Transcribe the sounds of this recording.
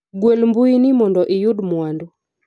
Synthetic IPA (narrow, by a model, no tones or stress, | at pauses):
ɡwelmbʊinɪmɔndɔʔɪjudmwandɔ